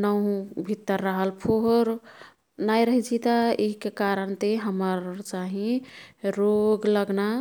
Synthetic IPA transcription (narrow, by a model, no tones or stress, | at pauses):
nə̃bʱit̪ːəɾːəɦəlpʰoɦɾ | najɾəɦit͡ʃʰit̪aiɦkekaɾəɳt̪eɦəməɾt͡ʃaɦĩ | ɾoɡləɡna